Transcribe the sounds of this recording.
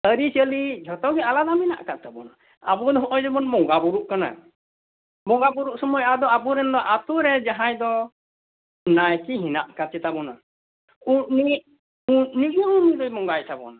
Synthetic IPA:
əɾit͡ʃəlid͡ʒʱɔt̪ɔɡɛalad̪amina̰ʔkat̪abɔ̰na | abɔd̪ɔɦɔʔɔjd͡ʒɔbɔnbɔŋɡabuɾuʔkana̰ | bɔŋɡabuɾuʔ̚sɔmɔjad̪ɔabuɾɛnd̪ɔʔat̪uɾɛd͡ʒaɦajd̪ɔ | najkiɦina̰ʔkat͡ʃɛt̪abɔna̰ | uni | uniʔɔunid̪ɔjmɔŋɡajt̪ʰabɔ̰na

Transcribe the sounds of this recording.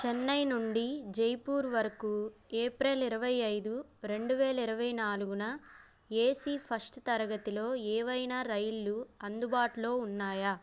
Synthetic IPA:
t͡ʃɛnːɐjnuɳɖid͡ʒejpuːɾʋɐɾɐkueːpɾeːlɐiɾɐʋɐjɐjd̪uɾe̞ɳɖuʋɛːlɐiɾɐʋɐjnaːluɡunɐ | eːsiːpʰɐsʈt̪ɐɾɐɡɐt̪ilo̞ːeːʋɐjnaːɾɐjlːuɐnd̪ubaːʈulo̞ːunːaːjɐ

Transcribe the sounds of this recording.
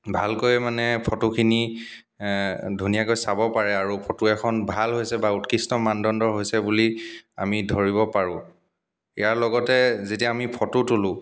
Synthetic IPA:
bʱalkojmanɛpʰɔtukʰini | dʱunijakojsabɔpaɹɛaɹupʰɔtuɛkʰɔnbʱalɦojsɛbautkistɔmandɔndɔɹɦojsɛbulia̰midʱɔɹiβɔpaɹʊ̃ | ḭjaɹlɔɡɔtɛzetiaamipʰɔtutulʊ̃

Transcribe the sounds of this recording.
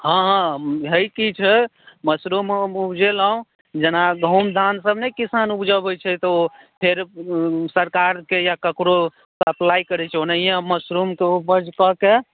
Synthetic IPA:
ɦãɦãɦəjkit͡ʃʰɛməsɾumupd͡ʒelaũ | d͡ʒenaɡʱə̃umd̪ʱansəbnəjkisanubd͡ʒəbət͡ʃʰɛt̪ɔo | pʰeɾsəɾkaɾkejakəkɾo | əplaikəɾɛt͡ʃʰɛonəijãməsɾumkeupəɾd͡ʒkɔke

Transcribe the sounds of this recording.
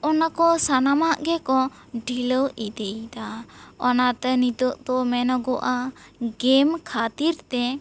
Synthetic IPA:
ɔnakɔsanamaʔɡɛkɔ | ɖʱiləwid̪əjt̪aɔnat̪ɛnit̪əʔt̪ɔmɛnɔɡɔʔaɡɛmkʰat̪iɾt̪ɛ

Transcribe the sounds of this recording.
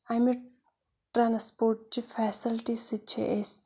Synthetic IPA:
ami | ʈɾaːnspoːɾʈ̚t͡ʃifɛːsɪlʈisit͡ʃʰḛʔes

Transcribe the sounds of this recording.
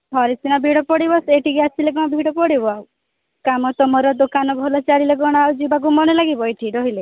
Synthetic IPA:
ɦɔɾisinabʱiɽɔpɔɽibɔseʈiɡasileɡɔ̃ɔbʱiɽɔpɔɽibɔaw | kamɔt̪ɔmɔɾɔd̪okanɔbʱɔlɔt͡ʃaɾileɡɔɽ̃ɔawd͡ʒubaɡumɔnɔlaɡibɔeʈʰiɾɔɦile

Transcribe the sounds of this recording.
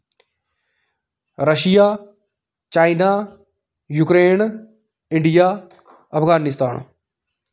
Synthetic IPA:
ɾəʃijaː | t͡ʃaːinaː | juːkɾeːn | ɪ̃ɳɖijaː | əpʰɡaːnɪst̪aːn

